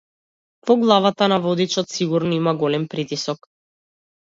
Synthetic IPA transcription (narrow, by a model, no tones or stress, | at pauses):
vɔɡlˠavat̪anavɔd̪it͡ʃɔt̪siɡuɾnɔimaɡɔlɛmpɾit̪isɔk